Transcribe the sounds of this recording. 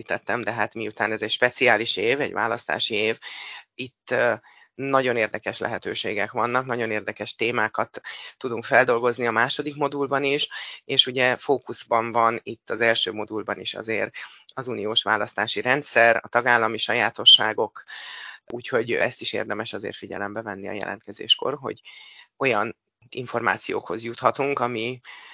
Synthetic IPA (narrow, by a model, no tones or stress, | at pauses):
it̪ɛt̪ːɛmd̪ɛɦat̪miut̪aːnɛzɛcʃpɛt̪siaːliʃeːvɛ̰ɟva̰ːlɒst̪a̰ːʃieːvit̪ː | nɒɟo̞neːrd̪ɛkɛʃlɛ̰ɦɛt̪øːʃeːɡɛkʋɒnːɒknɒɟo̞neːrd̪ɛkɛʃt̪eːmaːkɒt̪ːud̪uŋkfɛld̪o̞lɡo̞zniɒmaːʃo̞d̪ikmo̞d̪ulbɒniʃeːʃuɟɛfoːkuzbɒɱvɒnit̪ːɒzɛlʃøːmo̞d̪ulbɒnḭʃɒ̰zeːɾɒzunijoːʃʋa̰ːlɒst̪aːʃiɾɛnt̪sɛrɒ̰t̪ɒɡaːlːɒmiʃɒjaːt̪o̞ʃːaːɡo̞k | ʔuːcho̞ɟɛst̪iʃḛːrd̪ɛmɛʃɒzḛːrt̪fiɟɛ̰lɛmbɛvɛnːiɒ̰jɛ̰lʔɛ̰nt̪kɛzḛːʃko̞̰rɦo̞̰ɟo̞jɒn | iɱfo̞rma̰ːt̪sijo̰ːkho̞zjut̪hɒt̪uŋkɒmi